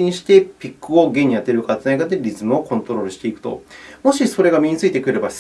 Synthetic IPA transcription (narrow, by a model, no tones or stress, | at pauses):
ɲ̟ĩɕi̥t̪e̞pʲikːɯo̞ɡeɲ̟ːijat̪ːeɾɯkat͡sɨnaiɡat̪eɾʲizɨmɯo̞kõ̞nt̪o̞ɾo̞ːɾɯ̟ɕi̥t̪e̞ikɯ̟̥t̪o̞̰mo̞ɕiso̞ɾe̞ɡamʲiɲ̟it͡sɨit̪e̞kɯ̟ɾe̞ba